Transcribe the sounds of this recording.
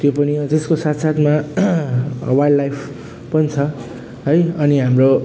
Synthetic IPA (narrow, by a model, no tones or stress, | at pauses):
t̪jopʌnid͡zeskosat̪ʰsat̪ʰma | wajlːajpʰ | pʌnit͡sʰʌ | ɦʌjʌniɦamro